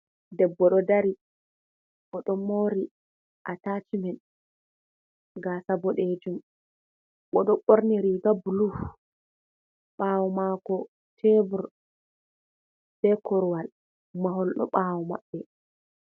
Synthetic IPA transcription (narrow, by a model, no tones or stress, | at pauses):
dɛbːɔɗɔdaɾi | ɓɔɗɔmoːɾi | ʔataːt͡ʃimɛn | ɡasabɔɗed͡ʒum | ɓɔɗɔɓoɾniɾiɡabuluf | ɓaːwɔmakɔ | tʰɛbuɾ | b̥ɛkɔɾwal | maɦɔlɗɔ̰ɓaːwɔma̰ɓːɛ